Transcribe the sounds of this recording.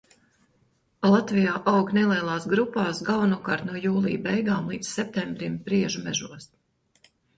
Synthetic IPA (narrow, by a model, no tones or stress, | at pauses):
lˠat̪vijaːʔawɡnɛlˠiɛlˠaːsɡɾupaːsɡalˠvanuɔkaːɾt̪nuɔjuːlˠḭːbɛjɡaːmlˠiːd̪ssɛp̚t̪ɛmbɾimpɾiɛʒumɛʒuɔs